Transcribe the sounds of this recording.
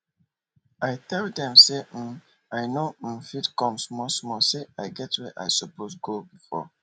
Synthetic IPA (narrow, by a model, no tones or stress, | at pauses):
ajtʰɛlddɛ̃msem̩ | ajnofidkɔ̃msmɔsmɔseajɡɛtwɛʔa̰jsɔposɡobifɔ̰